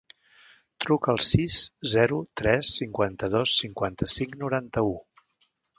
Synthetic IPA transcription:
t̪ɾukəəlˠsiszɛɾut̪ɾɛsːiŋkwant̪əðosːiŋkwant̪əsiŋnuɾant̪əu

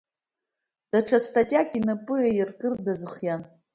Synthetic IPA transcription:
d̥aʈ͡ʂʰastʰʼatʲʼakʼinapʼɨajɪrkʼɨrdazɨχjan

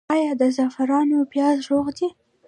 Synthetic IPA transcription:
ɑjɑd̪əzafaɾɑnopjɑzɾoɣd̪i

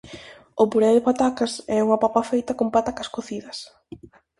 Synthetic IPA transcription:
ʊpuɾɛðɪpat̪akɐsɛuŋɐpapɐfejt̪ɐkompat̪akɐskoθiðɐs

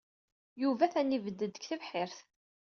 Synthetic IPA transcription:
juvæθænivəd̪ːəd̪əçθəvħɪɾθ

